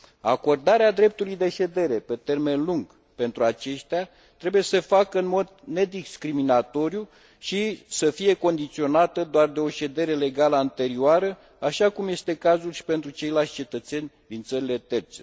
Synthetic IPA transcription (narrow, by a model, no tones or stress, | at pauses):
a̰ko̞rd̪aɾead̪ɾe̞p̚t̪ulujd̪e̞ʃe̞d̪e̞ɾe̞pe̞t̪e̞rme̞nluŋɡ | pe̞nt̪ɾuat͡ʃe̞ʃt̪ea | t̪ɾe̞buje̞səfakəɨnmo̞d̪ne̞d̪iskɾiminat̪o̞ɾiju | ʃisəfije̞ko̞nd̪it̪sio̞nat̪əd̪oard̪e̞o̞ʃe̞d̪e̞ɾe̞le̞ɡaləant̪e̞ɾioaɾə | aʃakumje̞st̪e̞kazulʃi̥pe̞nt̪ɾut͡ʃe̞jlalsʲt͡ʃe̞t̪ət̪se̞nʲ | d̪int̪səɾile̞t̪e̞rt̪se̞